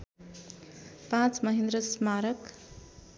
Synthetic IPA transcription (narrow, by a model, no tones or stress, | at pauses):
pãt͡smʌɦend̪rʌsmaɾʌk